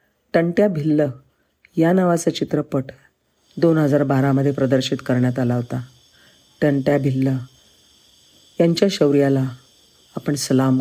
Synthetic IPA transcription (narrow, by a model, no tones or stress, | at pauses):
ʈəɳʈjabʱilːə | janaʋat͡sət͡ɕit̪ɾəpəʈ | d̪onɦəd͡zaɾbaɾaməd̪ʱːjepɾəd̪əɾɕit̪kəɾɳjat̪alaʋt̪a | ʈəɳʈjabʱilːə | jaɲt͡ɕjaɕəʋɾijalaː | pəɳsəlam